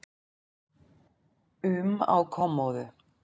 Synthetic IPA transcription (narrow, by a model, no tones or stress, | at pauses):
ʉma̰wkʰɔmɔðʏ